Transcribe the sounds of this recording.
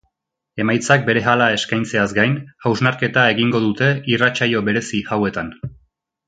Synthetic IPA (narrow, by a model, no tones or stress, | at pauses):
e̞majt͡sak̚be̞ɾe̞ɦalae̞skajnt͡se̞azɡajnhawznaɾke̞t̪ae̞ɣiŋɡo̞ðut̪e̞irat͡ʃajo̞βe̞ɾe̞sihawe̞t̪an